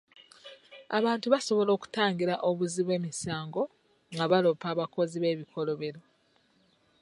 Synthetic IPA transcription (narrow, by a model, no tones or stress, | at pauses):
a̰βaːntuβaso̞βo̞lo̞ːku̥taːŋɡiɾaʔoβuziβwe̞ːmisaːŋɡo̞ | ŋɡaβalo̞paːβako̞ziβe̞ːβikʰo̞lo̞βe̞ɾo̞